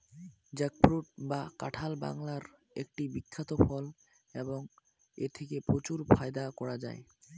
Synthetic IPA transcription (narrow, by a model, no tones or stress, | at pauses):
d͡ʑɛk̚fɾuʈ̚baka̰ʈʰalba̰ŋlaɾ | ek̚ʈibikʰːat̪ofɔl | eboŋ | ḛt̪ʰekepɾot͡ɕuɾpʰaed̪akɔɾad͡ʑa̰e